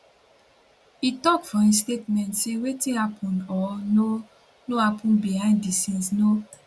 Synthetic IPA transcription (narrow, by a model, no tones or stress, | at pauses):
itɔkfɔĩs̬tetmɛ̃ntsewetĩhapʰɔ̃nɔno | nohapʰũnbihãɪ̃ndisĩnsno